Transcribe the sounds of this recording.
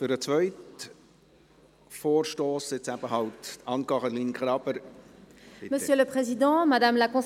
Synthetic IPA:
fyɾət͡sʋœʏt | foːrʃtoːsɪt͡ssæb̥əɦɑltɑnkɑʁəlinkʁɾɑbəɾ | məsjøləpχezid̪ɑ̃mad̪amlakɔ̃

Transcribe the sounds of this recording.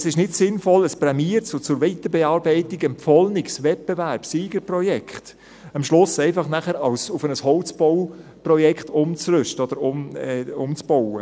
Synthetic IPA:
sɪʃnɪtsɪnfɔləspɾɛmiːɾt͡sʊt͡sʊɾʋɛɪt̪əbɛɑːɾbɛɪtiɡɛmpfɔlnɪksʋɛt̚b̥evæɾpsiːɡ̥əɾprɔjɛkχt | ɑmʃlʊsɛɪfɑχnæχəɾɑʊsʊfənəshɔlt͡sb̥ɔwprɔjɛkχt̪ʊmt͡srʏʃtəɔd̥̪əɾʊmɛʊmt͡sb̥ɔwə

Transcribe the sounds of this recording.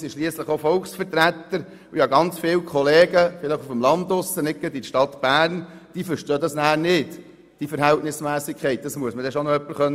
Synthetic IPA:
sɪʃliəsləχofɔlksfəɾt̪ɾæt̪ːəɾ | ʊjhɑɡɑnt͡sfɪːwkʰχɔleːɡəfɪləχufəmlɑnd̪ʊsənɪk̚ːəditʃtɑt̪b̥æːɾnd̥iːfəɾʃtøːdɑsnæːɾnɪt | d̥ifəɾɦæltnɪsmæːsikʰχɛɪt̚d̥ɑsmuəsmədɛʃonɔœpːəχœn

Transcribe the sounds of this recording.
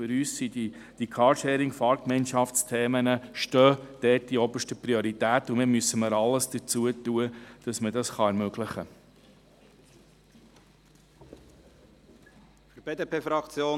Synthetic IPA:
fʏɾyːssidi | d̥ikʰɑːɾʃeːɾɪŋfɑːɾkmɛɪnʃɑft͡stʰeːmənəʃtøːd̥ɛt̚d̥iɔbəʃtəpɾioɾitæːtʊmɪːmysəməɾɑlːəsd̥ət͡suətuəd̥ɑsmədɑsχɑɛɾmøɡlɪχə | fyɾb̥eːd̪eːpʰeːfɾɑkt͡sjoː

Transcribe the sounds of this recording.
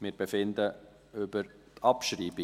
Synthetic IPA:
mɪːɾbɛfɪnd̪ə | ʏb̥əɾt̪ʰɑpʃɾiːbi

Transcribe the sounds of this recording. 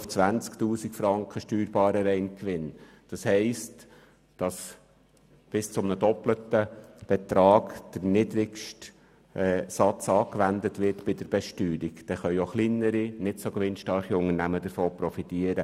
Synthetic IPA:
ft͡sʋænt͡sktuːsikfɾɑŋkχəʃtyːɾb̥ɑːɾəɾɛɪnkʋɪn | d̥ɑshɛɪst | d̥ɑs | b̥ɪst͡sʊmnədɔplətəb̥ɛt̪ɾɑːɡd̥əɾnɪdɾɪkʃtː | sɑt͡sɑːkʋændətʋɪtb̥ɪd̥əɾb̥ɛʃtyːɾiɡd̥ɛχœʏoχlinəɾinɪtsokʋɪnʃtɑɾχiʊŋənæmədəɾfoːpɾɔfitiəɾə

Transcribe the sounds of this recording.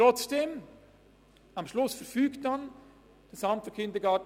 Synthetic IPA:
ɾɔt͡sd̥eːm | ɑmʃlʊsfəɾfyːktdan | d̥əsɑmtfəkʰɪndəɡɑːt

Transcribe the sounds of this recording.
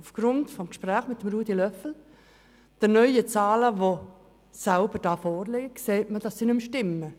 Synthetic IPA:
ufɡ̥ɾʊntfɔmkʃpræːχmɪtːəmruːdilœfl̩ | d̥ənœʏət͡sɑːləʋo | salbəɾd̥ɑːfɔːrlɪkseːtməd̥ɑsːinʏmʃtɪmːə

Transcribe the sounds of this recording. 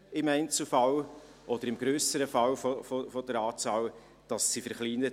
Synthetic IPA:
ɪmæɪnt͡sl̩fɑl | ʔɔd̥̪əɾɪmɡ̥ɾøːsəɾəfɑlfofofɔd̥əɾɑːt͡sɑːl | d̥ɑsːifəɾχliːnə

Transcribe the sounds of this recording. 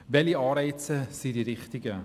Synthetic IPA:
vɛliɑːɾɛjtsəsidiɾiχtiɡə

